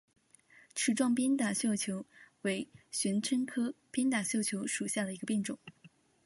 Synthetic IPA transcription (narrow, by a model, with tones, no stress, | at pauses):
ʈ͡ʂʰɻ̩˥˩ʈ͡ʂwɑ˥˩ŋpjɛ˥nt̪a˨˩ɕjɑ˥˩ʊt͡ɕʰjo˧˥ʊwe˧˥ɪɕɥɛ˧˥nʈ͡ʂʰə˥ŋkʰɤ˥pjɛ˥nt̪a˨˩ɕjɑ˥˩ʊt͡ɕʰjo˧˥ʊʂu˨˩ɕja˥˩d̪ə˩i˧˥ɡə˧pjɛ˥˩ŋʈ͡ʂʊ˨˩˦ŋ